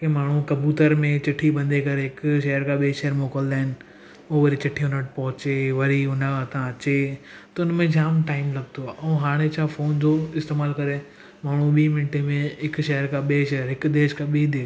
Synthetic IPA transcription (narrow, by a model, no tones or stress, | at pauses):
kemaːɳ̤ũkɐbuːt̪əɾmẽt͡ɕɪʈʰibɐ̃nd̪ekɐɾeɦɪkʃɐɦəɾkʰãɓiʃɐɦəɾmoːkəld̪aːɪnɪ̆ | oːʋɐɾit͡ɕɐʈʰiʊnəʈ̚pɐɦʊt͡ɕeʋɐɾiʊnəkʰãt̪ʰãɐt͡ɕet̪ɐʊnmẽd͡ʑaːmʈaːɪmlɐɡ̚t̪ʰoʔɛ̃ɦaːɽ̃et͡ɕʰãːfoːnd͡ʑoːɪst̪eːmaːlkɐɾe | maːɽ̤ũɓiːmɪnʈemẽɦɪkʃɐɦəɾkʰãɓeʃɐɦəɾɦɪkd̪eːʃkʰãɓid̪eː